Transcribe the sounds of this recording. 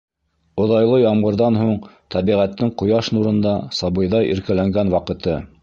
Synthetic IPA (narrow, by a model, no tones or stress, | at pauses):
ŏðɑjlˠɤjɑmʁɤ̆ɾðɑnɦuɴt̪ʰɑβiʁæt̪ːɘɴqŏjɑʃnuɾɤ̆nd̪ɑsɑβɤ̆jðɑjʔḭ̆ɾkælæŋɡænwɑqɤ̆t̪ɤ